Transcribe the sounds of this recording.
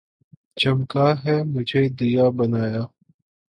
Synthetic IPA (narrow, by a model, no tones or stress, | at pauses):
t͡ʃɐmkaːɦɛːmʊd͡ʒʱeːd̪ijaːbɐnaːjaː